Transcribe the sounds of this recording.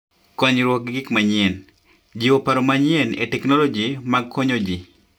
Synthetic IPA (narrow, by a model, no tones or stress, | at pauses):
kɔɲɾwɔk̚ɡɡɪkmaɲɪɛn | d͡ʒiwopaɾomaɲiɛnetɛknɔlɔd͡ʒimaɡkɔɲod͡ʒi